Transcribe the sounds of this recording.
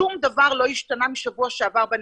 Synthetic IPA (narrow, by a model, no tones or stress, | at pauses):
umd̪avaʁlojiʃtanamiʃavuaʃavaʁban